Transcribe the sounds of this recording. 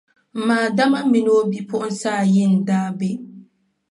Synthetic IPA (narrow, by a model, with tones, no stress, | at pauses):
m̩˨maː˨da˦ma˦mi˨no˦bi˦pʊ˦ʔʊ˦n˦saː˦˨jɪ˦˨n˨daː˦be˦˨